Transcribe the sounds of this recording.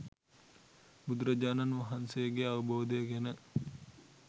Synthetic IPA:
bud̪ɾəd͡ʒaːnanʋɐɦansejəɡeaʋəbʱɐʋəd̪əjəɡenə

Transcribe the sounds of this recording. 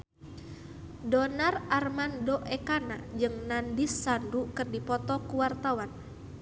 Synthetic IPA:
dɔnararmandɔʔɛkana̰d͡ʒɨŋnandisːandukɨrdipɔt̪ɔkuwart̪awan

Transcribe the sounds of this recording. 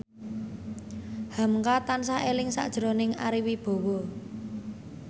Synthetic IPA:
hamkat̪ansaelɪŋsa̰ʔd̥ʒ̥ɾo̤nɪŋa̰ɾiwib̥o̤wɔ

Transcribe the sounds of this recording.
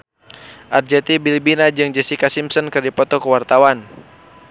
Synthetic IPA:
ʔard͡ʒɛt̪ibilbinad͡ʒɨŋd͡ʒɛsikasimsɔnkɨrdipɔt̪ɔkəwart̪awan

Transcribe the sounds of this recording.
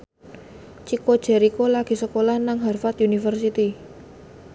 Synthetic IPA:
t͡ʃikod̥ʒ̥ɛ̤ɾikolaɡ̥i̤səkolahnaŋɦarfat̪junifərsit̪i

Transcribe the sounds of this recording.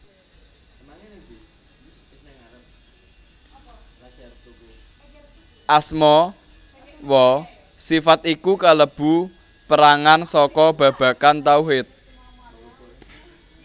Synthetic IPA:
ʔasmɔ | wɔ | sifat̪ikukaləb̥ṳ | pəɾaŋansɔkɔb̥ä̤b̥ä̤kant̪auɦɪt̪̚

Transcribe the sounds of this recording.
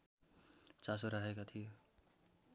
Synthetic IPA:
t͡sasoɾʌɦekat̪ʰijo

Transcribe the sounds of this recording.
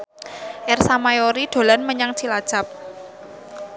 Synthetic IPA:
ʔɛrsamajoɾiɖ̪̥o̤lanməɲaŋt͡ʃilad̥ʒ̥ap̚

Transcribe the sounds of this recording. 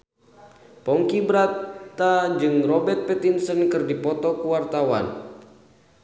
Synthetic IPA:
pɔŋkibəɾatt̪ad͡ʒɨŋrɔbɛrt̪̚pɛt̪insənkɨrdipɔt̪ɔkuwart̪awa̰n

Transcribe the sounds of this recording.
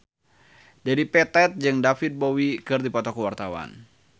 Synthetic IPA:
d͡ʒadipɛt̪ɛt̪̚d͡ʒɨŋdafit̪̚bowikɨrdipɔt̪ɔkəwart̪awa̰n

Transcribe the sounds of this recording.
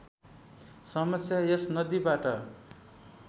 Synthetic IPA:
sʌmʌsjajʌsnʌd̪ibaʈʌ

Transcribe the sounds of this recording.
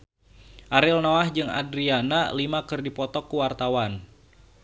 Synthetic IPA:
ʔaɾɪlnoahd͡ʒɨŋa̰dɾianalimakɨrdipɔt̪ɔkːuwart̪awan

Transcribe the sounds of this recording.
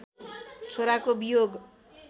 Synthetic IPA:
t͡sʰoɾakobijoɡ

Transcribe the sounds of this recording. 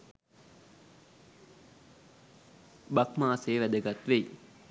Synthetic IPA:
bakmaːseːʋæd̪əɡat̪ʋei

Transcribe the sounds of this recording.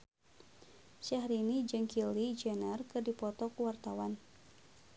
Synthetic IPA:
ʃaɦɾinid͡ʒɨŋkilid͡ʒɛnərkɨrdipɔt̪ɔkuwart̪awan

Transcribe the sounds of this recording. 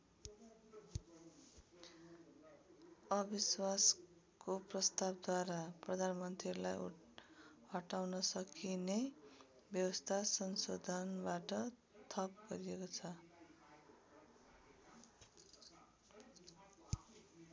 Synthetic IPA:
ʌbiswas | koprʌst̪abd̪waɾaprʌd̪ʱanmʌnt̪ɾiʌɾulajṵ | hʌʈawnʌsʌkine | bjʌwʌst̪ʰasʌnsod̪ʱʌnbaʈʌ | t̪ʰʌp̚ɡʌɾiekot͡sʰʌ

